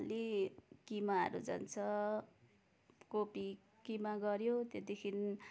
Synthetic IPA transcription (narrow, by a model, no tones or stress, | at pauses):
lekimaɦʌ̰ɾṵd͡zʌ̰nt͡sʰʌ | kopi | kimaɡʌɾjot̪et̪ikʰin